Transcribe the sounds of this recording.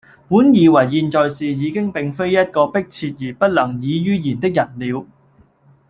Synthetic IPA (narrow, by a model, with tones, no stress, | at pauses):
muː˨˥njiː˨wɐ˨˩jːiː˧nt͡ʃɔː˨jsiː˨jiː˨˧kɪ˥ŋpɪ˨ŋfe˥jjɐ˥t̚kɔː˧pɪ˥k̚t͡sʰiː˧t̚jiː˨˩pɐ˥t̚lɐ˨˩ŋjiː˨˧jyː˥jiː˨˩nt̪ɪ˥k̚jɐ˨˩t̚liː˨˧w